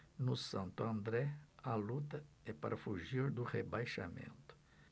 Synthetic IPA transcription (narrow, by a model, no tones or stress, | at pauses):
nʊsɐ̃nt̪ʊɐ̃nd̪ɾɛɐlut̪ɐ | ɛpaɾʔɐfuʒiɾd̪ʊʁebajʃa̰mḛ̃nt̪ʊ̥